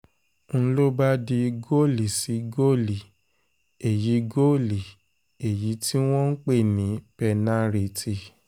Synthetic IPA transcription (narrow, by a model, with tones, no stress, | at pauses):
n̩˦˧lo˦ba˦di˧ɡo˦˨li˨si˨˦ɡo˦˨li˨ | e˨ji˨˦ɡo˦˨li˨ | e˨ji˨˦ti˦w̃ɔ̃˦n̩˦k͡pe˦˨nĩ˨˦pɛ˧nã˦ɾi˧ti˧˨